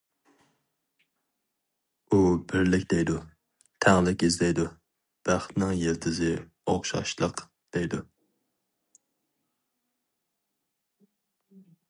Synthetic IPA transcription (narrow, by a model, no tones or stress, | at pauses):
ubɪɾlɪkʲd̪ejd̪u | t̪ʰæʁlˠɪkʲizdlɛjd̪u | b̥æχt̪nɪŋjeɾt̪ʰɪzɪ | oχʃɑ̰ʃlˠəq | d̪̥ejd̪u